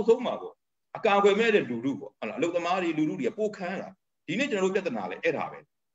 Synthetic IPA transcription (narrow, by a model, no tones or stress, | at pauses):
ʊsʰõʊ̃ma̰bɔ̰ | ʔəkaɡwɛmɛɾɛludṵpɔ̰hɛlaʔəloʊt̪ːəmaɾiluɾudiapokʰãla̰ | d̥inet͡ɕənɔopjat̪ːəna̰lɛʔɛɾa̰bɛ̰